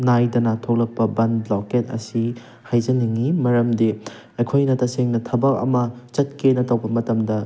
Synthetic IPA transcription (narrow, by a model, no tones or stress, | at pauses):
najdɐnatʰok̚lɐk̚pɐbɐnloket̚ɐ̰si | hajzɐniŋimɐɾɐmdi | ɐjkʰojnɐtɐseŋnɐtʰɐbɐk̚ɐ̰mɐt͡ʃɐt̚kenɐtɐwbɐmɐtɐmdɐ